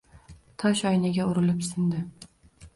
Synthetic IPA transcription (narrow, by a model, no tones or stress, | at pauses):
t̪ʰɒʃɒjnaɡʲaʊɾɪlɪpsɪnd̪ɪ